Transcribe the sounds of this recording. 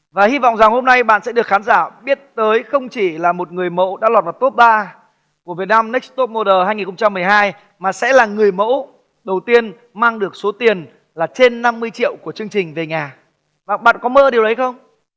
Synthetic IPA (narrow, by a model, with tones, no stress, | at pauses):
vaː˨˩hi˧vɔ̰˧˨wŋ͡mza˨˩ŋho˧mna˧jɓa̰ː˧˨nsɛ˧˥ɗɨ˨˩ək̚xaː˨˦nzaː˧˩ɓi˦˥ət̚t̪əː˨˦jxə˧wŋ͡mt͡ɕi˧˩laː˨˩mo˨˩t̚ŋɨ˨˩əjmo̰˧˥ɗa̰ː˧˥lwaː˨˩t̚vaː˨˩t̪o˦˥p̚ɓaː˧ | ku˧˩vət̚naː˧mnɛ˦˥k̚st̪o˦˥p̚mo˧ɗəː˨˩haː˧jŋi˨˩n˩xə˧ŋ͡mt͡ɕa˧mːɨ˨˩əjɦaː˧j | maː˨˩sɛ̰˧˥laː˨˩ŋɨ˨˩əjmo̰˧˥ | ɗə˨˩wt̪i˧ən | maː˧ŋɗɨ˨˩ək̚so˨˦t̪i˨˩ən | laː˨˩t͡ɕe˧nːa˧mːɨ˧əjt͡ɕḭ˧˨əwku˧˩ət͡ɕɨ˧əŋt͡ɕï˨˩ŋ̟ve˨˩ɲaː˨˩ | ɓa̰ː˨˩ɓa̰ː˧˨nkɔ˨˦mə̰ː˧˥ɗi˨˩əwɗə˨˦jxə˧wŋ͡m